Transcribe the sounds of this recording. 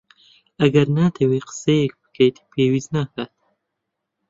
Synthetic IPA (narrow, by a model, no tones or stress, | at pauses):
aɡɐɾnaːt̪ʰewiqə̥sejek̚bə̥kʰejt̪ʰi̥pʰeːwiznaːkat̪̚